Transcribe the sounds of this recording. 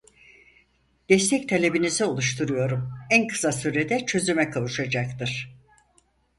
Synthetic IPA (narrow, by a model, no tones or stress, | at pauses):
d̪̥ɛst̪ʰɛct̪ʰelʲe̞binizɛo̞lˠuʃt̪ʰuɾujo̞ɾumænkʰɯ̥sasyɾed̪ɛt͡ʃʰø̞zymɛkʰavuʃad͡ʒakt̪ɯɾ̥